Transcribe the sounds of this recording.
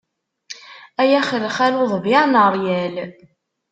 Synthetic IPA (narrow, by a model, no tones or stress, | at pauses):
æjæχələχæloðˤvjaʕnəɾˤjæl